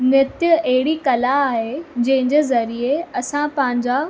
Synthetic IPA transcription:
nɪt̪jəɐɦɪɽikɐlaːɦed͡ʑɐ̃ɦɪ̃ɲd͡ʑeːzɐɾieɐsãpɐ̃ɦɪ̃ɲ̆d͡ʑa

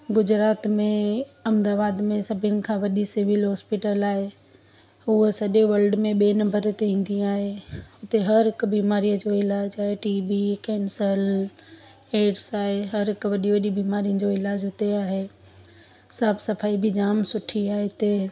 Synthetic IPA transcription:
ɡʊd͡ʑɾaːt̪mẽɐ̃md̪aːʋaːd̪mẽsɐbʱɪnɪ̆kʰãʋɐɗisɪʋɪlɦɔːspɪʈəlaːɦe | ʊɦsɐʄeʋɐlɖmẽɓeːnɐmbəɾt̪eĩːn̆d̪ĩaːɦeɦʊt̪eɦɐɾɦɪkbiːmaːɾijə̃d͡ʑoɪlaːd͡ʑaːɦeʈiːbikɛːnsəl | eːɖsaːɦeɦɐɾɦɪkʋɐɗiʋɐɗibiːmaːɾijə̃d͡ʑoɪlaːd͡ʑɦʊt̪eaːɦe | saːbʰsɐfʰaːibʱɪd͡ʑaːmsʊʈʰiaːɦet̪eː

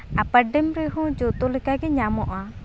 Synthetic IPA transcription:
apəɖɛmɾɛɦɔ̃d͡ʒɔt̪ɔlɛkaɡɛɲamɔʔa

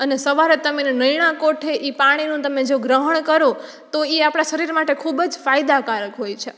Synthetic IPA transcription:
ənesəʋaɾet̪əmenenəjɳ̃ãkoʈʰeʔipaɽ̃inũt̪əmed͡ʒoɡɾəɦəɳ̃kəɾo | t̪oeapɽ̃aʃəɾiɾmaʈekʰubd͡ʒfajd̪akaɾəkɦojt͡ʃʰe

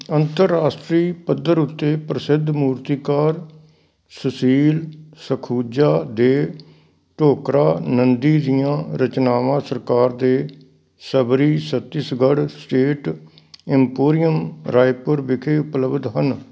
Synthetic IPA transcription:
ənt̪əɾːaːsʈɾiːpəd̪əɾʊt̪ːeːpɾəsɪd̪ʱmuːɾt̪iːkaːɾ | səsiːlsəkʰuːd͡ʒaːd̪eː | ʈoːkɾaːnənd̪iːd̪ɪjãːɾət͡ʃnaːʋãːsəɾkaːɾd̪eː | səbɾiːsət̪ːɪsɡəɽsʈeːʈ | ɪmpoːɾijəmɾaːjpʊɾbɪkʰeːʊpləbd̪ɦən

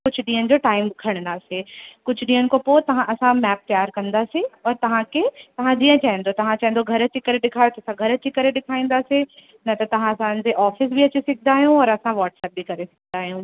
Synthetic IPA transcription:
kʊd͡ʑʱʊɗĩːənɪ̆d͡ʑoːʈaːɪmɪkʰəɽ̃nd̪aːsekʊd͡ʑʱɗĩːənɪ̆kopot̪ɐʋ̤ãʔɐsãmɛːp̚t̪ɐjaːɾkɐ̃nd̪aːseɔːɾt̪ɐʋ̤ãkʰet̪ɐʋ̤ãd͡ʑiːə̃t͡ɕaːɦɪ̃nd̪ot̪ɐʋ̤ãt͡ɕaɦɪ̃n̆d̪oɡʱɐɾɐt͡ɕikɐɾeɗɪkʰaːjot̪ɐsãɡʱɐɾɐt͡ɕikɐɾeɗɪkʰaːĩːn̆d̪aːse | nɐt̪ɐt̪ɐʋ̤ãɐsãnd͡ʑeʔɔːfɪs̬biɐt͡ɕisɪkʰɪnd̪aːɦijũɔɾɐsãʋaːʈsɛːp̚bikɐɾesɐ̥ɡʰʱnd̪aːɦijũː

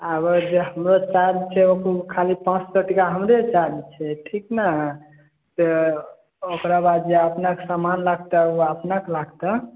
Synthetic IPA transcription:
abəd͡ʒeɦəmɾot͡ʃaɦbt͡ʃʰɛokukʰalipãt͡ʃsəʈikaɦəmɾet͡ʃaɦbɛt͡ʃʰɛʈʰikna | t̪ɔ | okɾabad̪d͡ʒeəpnaksamanlaɡ̚t̪əuəpnaklaɡt̪a

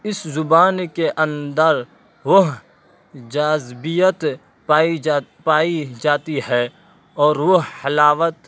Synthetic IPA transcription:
ɪszʊbaːnkeʔə̃nd̪əɾ | ʋəɦ | d͡ʒaːzbijət̪ | aːipaːid͡ʒaːt̪iɦɛː | ɔːɾʋoɦhɐlaːʋət̪

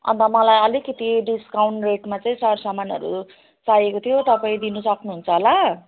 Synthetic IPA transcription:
ʌ̰nt̪ʌmʌlajʌlikːʌt̪iɖiskawɳʈreʈmat͡saĩsʌɾsamanʌ̰ɾṵ | t͡sajekot̪ʰijot̪ʌpaĩd̪inusʌknuɦunt͡sʰʌɦola

